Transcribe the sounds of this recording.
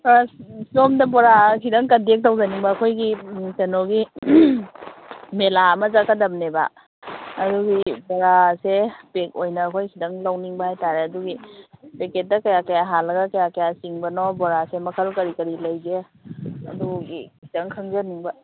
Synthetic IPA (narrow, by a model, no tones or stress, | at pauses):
somdɐbɔɾakʰidɐŋkɐdek̚tawzaniŋbɐːkʰojɡitenoɡi | melaɐmɐzakadɐmneba̰ | ɐduɡiboɾasepek̚ojnɐːkʰojkʰidɐŋlawniŋbɐhajtaɾeɐduɡipeket̚dɐkɐjakɐjaɦalːɐɡɐkɐjakɐjasiŋbɐnɔbɔɾasemɐkʰɐlkɐɾikɐɾilɐjze | ɐ̰duɡikʰidɐŋkʰɐŋzɐniŋbɐ